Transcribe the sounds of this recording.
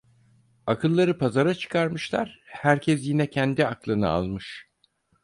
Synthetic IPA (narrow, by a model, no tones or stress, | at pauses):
akʰɯlˠːaɾɯpʰazaɾat͡ʃʰɯ̥kʰaɾmɯʃlˠa̰ɾ̥hæɾcʰɛsjinɛcʰɛnd̪iaklˠɯnɯ̰a̰lˠmɯʃ